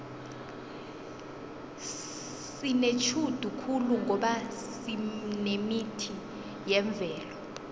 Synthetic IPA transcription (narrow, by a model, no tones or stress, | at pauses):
sinet͡ʃʰud̥ʱukʰuluŋʱɔɓasinemitʰi | jɛɱb̪vʱɛːlɔ